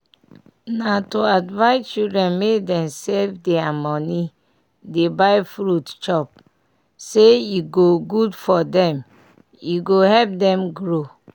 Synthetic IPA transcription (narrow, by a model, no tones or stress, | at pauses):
natoadvaɪt͡ʃildɹɛ̃nmekdɛ̃msɛlfdeamɔni | debaɪfɾutt͡ʃɔp̚ | seiɡoɡudfɔdɛ̃m | iɡohɛlp̚dɛ̃mɡɹo